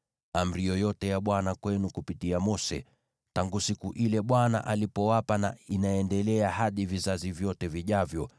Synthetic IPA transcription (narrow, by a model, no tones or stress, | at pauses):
am̩ɾijɔjɔtɛjaɓwanakwɛnukupitiamɔsɛ̰ | taŋɡusikuʔilɛɓwana̰ʔalipɔwapana̰inaɛndɛlɛahaɗivizazivjɔtɛviʄavjɔ